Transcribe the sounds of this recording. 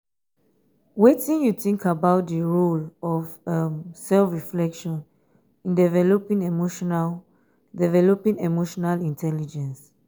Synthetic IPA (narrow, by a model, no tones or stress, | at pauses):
wetĩnjuθĩŋkʰabaʊtdəɹolɔvʌmsɛlfɹiflɛkʃɔ̃n | ĩndɛvɛlopĩŋemoʃɔnal | dɛvɛlopĩŋemoʃɔnalĩntʰɛlid͡ʒɛ̃ns